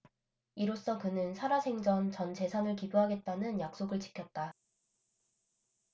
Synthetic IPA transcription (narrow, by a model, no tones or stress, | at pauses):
iɾos͈ʌkɯnɯnsʰaɾasʰe̞ŋd͡ʑʌnt͡ɕʌnt͡ɕe̞sʰanɯɭkibuɦaɡe̞t̚t͈anɯnjak̚s͈oɡɯɭt͡ɕi̥kʰjʌt̚t͈a